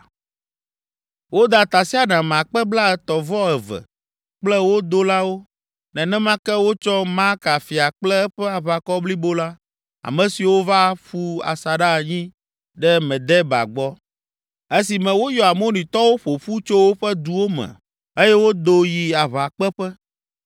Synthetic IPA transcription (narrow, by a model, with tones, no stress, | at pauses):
wo˦d̪a˨t̪a˨si˦a˨nã˨m˨a˨k͡pɛ˦bla˦ɛ˨t̪ɔ˨vɔ˦ɛ˨vɛ̰˨ | k͡plɛ˦wo˦d̪o˦la˦wo˦ | nɛ̃˨nɛ̃˦mã˦kɛ˦wo˦t͡ʃɔ˦ma˦ka˨fi˨a˨k͡plɛ˦ɸɛ˦a˨βa˨kɔ˦bli˦bo˦la˦ | a̰˨mɛ̃˨si˨wo˦va˦ɸu˦a̰˨sa˨ɖa˦˨ɲĩ˦ | ɖɛ˦mɛ̃˨d̪ɛ˦ba̰˨ɡ͡bɔ˦ | e˦si˨mɛ̃˨wo˦jɔ˨a˨mo˦nĩ˨t̪ɔ˦wo˦ɸo˨ɸu˦t͡ʃo˦wo˦ɸɛ˦d̪u˨wo˦mɛ̰̃˨ | e˦jɛ˦wo˦d̪o˦ji˨a˨βa˨k͡pɛ˦ɸɛ˦